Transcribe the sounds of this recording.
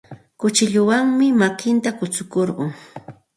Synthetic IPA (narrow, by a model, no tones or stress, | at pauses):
kʊt͡ʃɪʎʊwaŋmɪmakɪnt̪akʊt͡sʊkoɾɢʊŋ